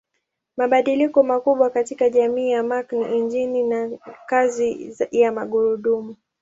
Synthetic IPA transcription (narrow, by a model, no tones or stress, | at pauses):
maɓaɗilikɔmakuɓwakatikaʄamiːjamakniʔiɲd͡ʒininakazijamaɠuɾuɗumu